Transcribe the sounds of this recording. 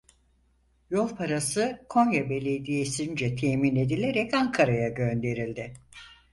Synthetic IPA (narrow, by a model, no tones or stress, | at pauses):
jo̞lˠpʰaɾasɯkʰo̞ɲjabe̞lʲe̞d̪ijesind͡ʒɛt̪ʰemine̞d̪ilʲe̞ɾɛcaŋkʰaɾajaɟønd̪e̞ɾilʲd̪ɪ